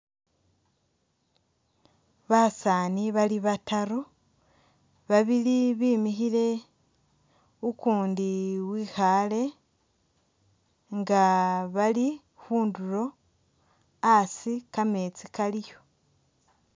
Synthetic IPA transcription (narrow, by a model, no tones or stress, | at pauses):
βasaːniβaliβataɾo | βaβiliβiːmiçile̞ | ukuːndiwiːxale̞ | ŋɡaβali | huːnduɾo̞ | asikame̞t͡sikalijo̞